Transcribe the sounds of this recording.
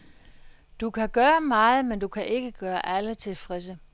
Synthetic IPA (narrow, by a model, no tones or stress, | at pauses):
d̥ukʰæɡ̥ɶːɐmɑ̈ːð̞̩ˠmend̥ukʰæʔe̝ɡ̥əɡ̥ɶːɐʔælət͡sʰe̝lfʁɛsə